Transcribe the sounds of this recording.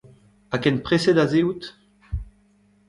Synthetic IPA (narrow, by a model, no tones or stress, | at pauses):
akɛnpχesɛd̪azewut̪